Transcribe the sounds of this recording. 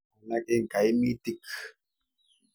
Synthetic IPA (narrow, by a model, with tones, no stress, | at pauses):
a˨nakʼɪ˦ŋka˨jmi˦t̪ɪk